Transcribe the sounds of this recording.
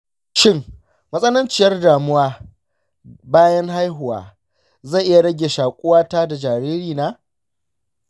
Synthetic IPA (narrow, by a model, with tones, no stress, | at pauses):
ʃɪ˦˨ŋ | mɐ˦sʼɐ˦nɐ˦nt͡ʃɪ˨jɐ˦rdaː˨mʊ˦waː˦ | baː˦jɐ˦ŋɦa˦jɦʊ˨wa̰ː˨ | za˦˨ʔɪ˦ja˨ɽɐ˦ɡʲe˨ʃaː˨kʷʼʊ˦waː˦taː˦da˨d͡ʒaː˨ɾiː˦ɾiː˨naː˦